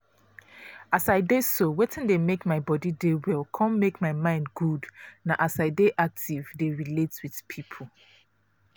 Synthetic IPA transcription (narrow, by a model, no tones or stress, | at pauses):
asaɪdesowetʰɪ̃ndemekmaɪbɔdidewɛlkʰɔ̃nmekmaɪmãɪ̃ndɡudnaʔasaɪdeʔak̚tʰivdeɹiletwið̥pʰipʰo